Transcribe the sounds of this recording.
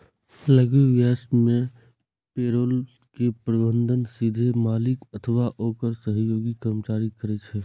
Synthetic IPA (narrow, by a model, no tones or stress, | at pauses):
ləɡeʋjaːsmẽ | peːɾoːl | kepɾəbə̃nd̪ʱənsid̪ʱemaːlɪkət̪ʰəʋaʔoːkəɾsəɦjoːɡikəmt͡ʃaːɾikəɾɛt͡ʃʰɛ